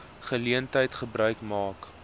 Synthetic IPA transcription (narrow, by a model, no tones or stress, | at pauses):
χəliəntəjtχəbɾœɥkmɑːk